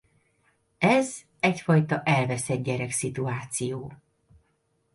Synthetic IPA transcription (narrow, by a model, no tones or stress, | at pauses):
ɛz | ɛcfɒjt̪ɒʔɛlvɛsɛd̪̚ɟɛɾɛksit̪uaːt̪sijoː